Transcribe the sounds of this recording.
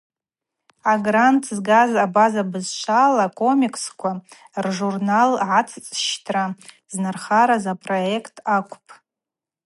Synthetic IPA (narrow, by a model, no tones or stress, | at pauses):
aɡrantʰzɡazabazabɨzʃʷalakʼʰo̞mikʰskʷʰa | rʐurnalʕat͡sʰt͡sʼʃtʰra | znarχaɾazapʼro̞ekʰtʰakʷʰʼʊpʰʼ